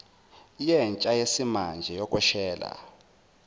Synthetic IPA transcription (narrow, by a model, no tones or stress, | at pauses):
jɛnt͡ʃʼajesimand͡ʒʱɛjɔkʼwɛʃɛːla̰